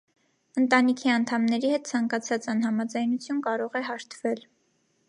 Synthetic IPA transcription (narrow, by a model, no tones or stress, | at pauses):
ənt̪ɑnikʰiɑnt̪ʰɑmnɛɾihɛt̪̚t͡sʰɑŋkɑt͡sʰɑt͡sɑnhɑmɑd͡zɑjnut͡sʰjunkɑɾɔʁɛɦɑɾt̪ʰvɛl